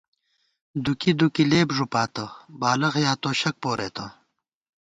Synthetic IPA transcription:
d̪ukid̪ukileːbʐupaːt̪ɐbaːlɐɣjaːt̪oːɕɐk̚poːɾʔḛːt̪ɐ

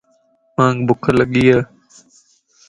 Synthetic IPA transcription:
mãːŋɡbʊkʰələɠiːaː

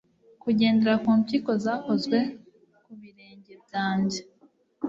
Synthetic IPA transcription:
kuɟe̞ːndeɾakuːmciko̞zaːko̞zɡwe̞ | kuβiɾe̞ːɲɟe̞b̚ɟaːɲɟe

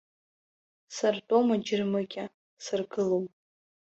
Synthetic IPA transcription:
sartʼomad͡ʒɪrmɨɡʲʼa | sɨrɡɨlom

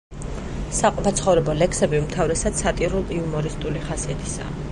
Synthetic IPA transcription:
saqʼɔpʰat̪sʰχɔvɾɛbɔlɛkʰsɛbiumt̪ʰavɾɛsad̪̥sat̪ʼiɾulˠiumɔɾist̪ʼuliχasiat̪ʰi̥sa̰ː

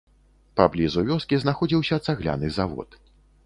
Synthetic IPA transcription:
pablʲizuvʲɔskʲiznaxɔd͡zʲiwsʲɐt̪saɣlʲa̰nɨzavɔ̰t̪

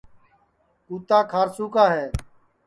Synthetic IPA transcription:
uːt̪aːkʰaːɾsuːkaːɦɛː

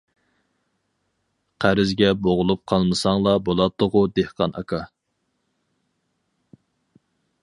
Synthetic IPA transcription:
qʰæɾɪzɡʲɛboʁʊlˠup̚qʰɑlˠmɨsɑŋlˠɑbolˠɑt̪ːʊʁʊd̪ehqɑnɑ̰kʰɑ

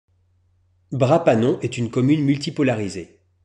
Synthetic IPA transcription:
bʁapanɔ̃ʔɛt̪ynkɔmynmylt̪ipɔlaʁize

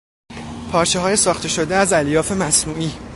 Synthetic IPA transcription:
pʰɒːɾt͡ʃʰeɦɒːje̞sɒːxt̪ʰe̞ʃo̞d̪eæzæljɒːfe̞mæsnuːʔiː

